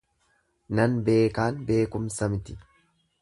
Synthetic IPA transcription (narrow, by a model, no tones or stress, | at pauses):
nɐnbe̞ːkaːnbe̞ːkʊmsɐmɪt̪ɪ